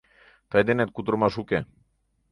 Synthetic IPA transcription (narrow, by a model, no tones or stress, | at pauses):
t̪ajd̪enet̪̚kut̪ɾomaʃuke